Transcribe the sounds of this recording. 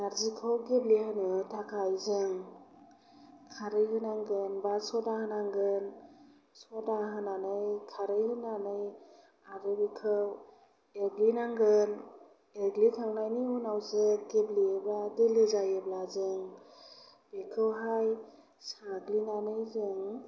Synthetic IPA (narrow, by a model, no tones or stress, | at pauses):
naɾzikʰawɡeblihɯnɯtʰakʰajzɯŋ | kʰaɾɯjɦɯnaŋɡɯnbasɔdahɯnaŋɡɯn | sɔdaɦɯnanɯjkʰaɾɯjhɯnanɯj | aɾɯbikʰɯw | eɡlinaŋɡɯn | eɡlikʰaŋnajnihunawzɯɡebliebladelɯzajeblazɯŋ | bekʰɯwɦaj | saɡlinanɯjzɯŋ